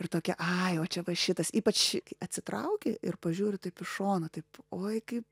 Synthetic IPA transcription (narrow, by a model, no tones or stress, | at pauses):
ɪrt̪oːkʲɛʔɐɪoːt͡ʃʲɛʋɐʃʲɪt̪ɐsiːpɐt͡ʃɐt̪ʲsʲɪt̪ɾɐ̰ʊkʲɪʔɪ̰rpɐʒʲuːɾʲɪt̪ɐɪpɪʃoːnɐt̪ɐɪpoːjkɐɪp